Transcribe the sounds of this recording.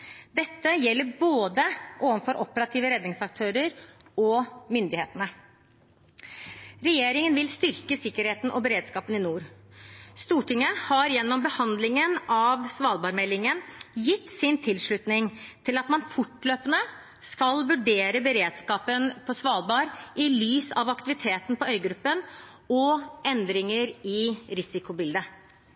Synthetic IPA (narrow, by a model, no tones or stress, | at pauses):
d̪ɛt̪ːəjɛlːəɾboːd̪əʔoːʋənfɔɾʔɔpəɾɑt̪ʰiːʋəɾɛd̪nɪŋsɑk̚t̪ʰøːɾəɾɔmʏnd̪ɪhḛːt̪ənə | ɾɛjeːɾɪŋənʋɪlst̪ʏɾkəsɪkːəɾheːt̪n̩ʔɔbəɾeːd̪skɑːpənɪnuːɾ | st̪uːʈɪŋːəhɑɾjɛnːɔmbəhɑnd̪lɪŋənɑʋsʋɑːlbɑːɾmɛlːɪŋənjɪt̪ːsɪnt̪ʰɪlʂɭʉt̪nɪŋt̪ʰɪlɑt̪mɑnfʊʈːløːpənə | skɑlʋʉɖeːɾəbəɾeːd̪skɑːpənpʰɔsʋɑːlbɑːɾɪlyːsɑ̰ʋɑkt̪ɪʋɪt̪ʰeːt̪n̩pʰɔœʏɡɾʉpːən | ɔɛnd̪ɾɪŋəɾɪɾɪsɪkʊbɪld̪ə